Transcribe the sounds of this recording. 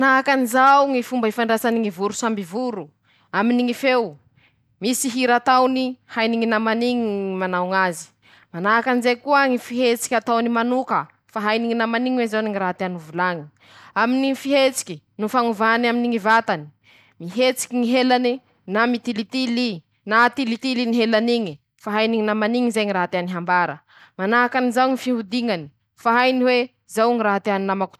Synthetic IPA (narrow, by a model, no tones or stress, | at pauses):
mnaakanizawŋifumbaɦifaɳɖ͡ʐasaniŋivuɾusambivuɾu | aminiŋifew | misiɦiɾat̪awnihajniŋinamaniŋiimanawŋazi̥ | manaakanizekuaŋifiɦet͡si̥kʲat̪awnimanukə | faɦajniŋinamaniŋwezawniŋiɾaɦat̪eanuvulaŋi̥ | aminiifiɦet͡si̥kʲi | nufaŋuvanaminiŋivat̪ani̥ | miɦet͡si̥kʲiŋiɦelani | namit̪ilit̪ili | nat̪ilit̪iliniɦelaniŋi | faɦajniŋinamaniŋizejŋiɾaɦat̪eaniɦambaɾə̰ | manaakanizawŋifiɦud̪iŋani̥ | faɦajniwe | zawŋiɾaɦat̪eaninamaku̥